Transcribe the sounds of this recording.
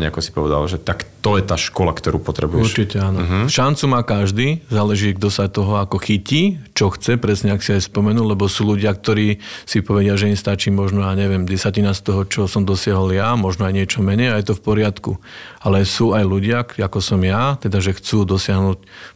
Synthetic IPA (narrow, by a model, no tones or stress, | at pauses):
ɲɛakɔsi̥pɔʋɛd̪a̰lʒɛt̪akt̪ɔjɛt̪aːʃkɔla̰kt̪ɔɾuːpɔt̪ɾɛbujɛuɾʃt͡ʃicɛaːnɔʃant͡sumaːkaʒd̪iːzaːlɛʒiːɡ̚d̪ɔsat̪ɔɦɔakɔxiciːt͡ʃɔxt͡sɛpɾɛsɲɛaksiajspɔmɛnuːllɛbɔsuːluɟɪak̚t̪ɔɾiːsipɔʋɛɟɪaʒɛimst̪at͡ʃiːmɔʒnɔaɲɛʋɛmɟɛsacinast̪ɔɦɔt͡ʃɔsɔmd̪ɔsɪaɦɔljamɔʒnɔajɲɪɛt͡ʃɔmɛɲɛjajt̪ɔfpɔɾɪat̪kualɛsuːajluɟɪakakɔsɔmjat̪ɛd̪aʒɛxt͡suːd̪ɔsɪaɦnuːc